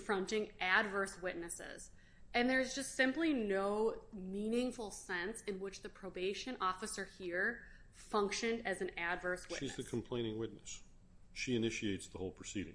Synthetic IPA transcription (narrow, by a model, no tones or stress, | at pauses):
fɹʌ̃ntɪ̃ŋʔædvɜ˞swɪʔⁿnɨsɪ̰z̥ | ɨ̃nðə˞ɨzd͡ʒʌstsɪ̃mplinoʊmĩnɪ̃ŋfl̩ˠsɛ̃nsɨ̃nwɪt͡ʃðɨpʰɹ̥oʊbeɪʃɨ̃nʔɔfɨsə˞hiɹ | fʌ̃ŋkʃɨ̃ndɨzn̩ædvɜ˞swɪ̰izðɨkʰm̩pʰl̥ẽɪ̃ñɪ̃ŋwɪtⁿnɨs | ʃiɨnɪʃieɪtsðəhoʊlˠpʰɹ̥ɨsiɾɪ̰̃ŋ